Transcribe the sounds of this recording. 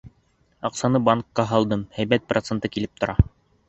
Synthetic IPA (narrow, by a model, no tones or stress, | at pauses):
ɑqsɑnɤbɑŋkːɑɦɑlˠd̪ɤmhæjbæt̪̚prot̪sent̪ɤkilɘp̚t̪ŏɾɑ